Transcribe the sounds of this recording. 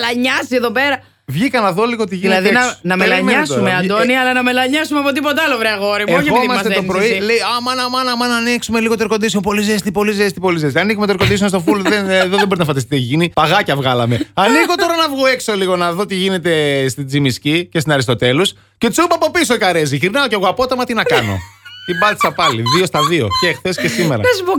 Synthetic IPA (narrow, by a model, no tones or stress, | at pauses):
lɐɲɐsieðopeɾɐ | vʝikɐnɐðo̞liɣot̪iʝinlɐðienɐnɐmelɐɲmɐsumeɐnd̪oniɐlɐnɐmelɐɲɐsumeɐpot̪̬ipot̪̬eɐlovɾeɐɣo̞ɾimoçoimɐsmɐst̪et̪opɾo̞ileiɐmɐnɐmɐnɐmɐnɐniksume̞liɣot̪eɾko̞nd̪isio̞mpo̞lizest̪ipo̞lizest̪ipo̞lizesɐnikume̞t̪oɾkod̪isionst̪ofuloðenðoðeboɾinɐfɐd̪ɐst̪it̪eʝinipɐɣɐcɐvɣɐlɐme̞ɐniko̞t̪o̞ɾɐnɐvɣoe̞kso̞liɣo̞nɐðo̞t̪iʝine̞t̪e̞st̪id͡zimiscicest̪inɐɾist̪o̞t̪e̞los | ce̞t͡subɐpopisoikɐɾeziçɾinɐoceɣoɐpo̞t̪ɐmɐt̪inɐkɐno̞̰t̪ibɐt̪i̥sɐpɐliðio̞st̪ɐðio̞̰cexθescesimeɾɐ̰ezbu